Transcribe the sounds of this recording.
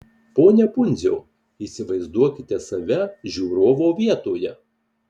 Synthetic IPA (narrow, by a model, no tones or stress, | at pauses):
poːnʲɛpʊnʲzʲoː | iːsʲɪʋɐɪzd̪uɔkʲɪt̪ʲɛsɐʋʲɛʒʲuːɾoːʋoːʋʲiɛt̪oːjɛ